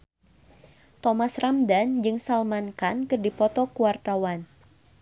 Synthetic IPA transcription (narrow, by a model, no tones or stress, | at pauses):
t̪ɔmasramdand͡ʒɨŋsalmankankɨrdipɔt̪ɔkuwart̪awan